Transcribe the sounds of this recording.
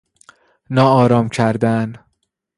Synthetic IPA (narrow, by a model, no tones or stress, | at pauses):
nɒːɒːɾɒːmcʰæɾd̪æn